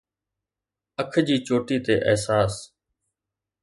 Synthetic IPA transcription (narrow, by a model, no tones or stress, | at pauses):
əkʰd͡ʑiːt͡ʃoːʈiːt̪eːʔəːsaːs